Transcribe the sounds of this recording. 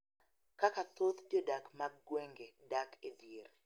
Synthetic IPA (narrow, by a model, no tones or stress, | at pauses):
kakat̪ot̪djodakmaɡɡweŋɡedaked̪jeɾ